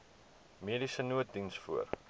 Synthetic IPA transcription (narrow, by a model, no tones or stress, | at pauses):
miədisənuət̚dinsfuər